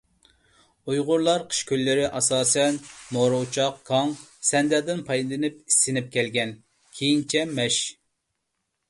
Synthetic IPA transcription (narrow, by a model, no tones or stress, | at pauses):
ujʁʊɾlˠɑɾqʰə̥ʃkʲølːɪɾɪʔɑsɑːsɛnmoɾowt͡ʃʰɑqkʰɑŋsɛnd̪ɛd̪ɪnpʰɑjd̪ɨnɪpisːɪnɪp̚kʲɛlɡʲɛn | kʲʰejint͡ʃʰɛmɛʃ